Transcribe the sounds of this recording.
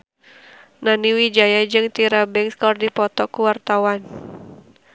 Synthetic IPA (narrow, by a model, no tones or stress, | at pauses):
naniwid͡ʒajad͡ʒɨŋt̪iɾabɛŋskɔrdipɔt̪ɔkuwart̪awan